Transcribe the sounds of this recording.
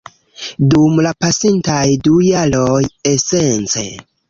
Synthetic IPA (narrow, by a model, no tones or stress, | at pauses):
dumlapasintajdujalo̞jese̞nt͡se̞̰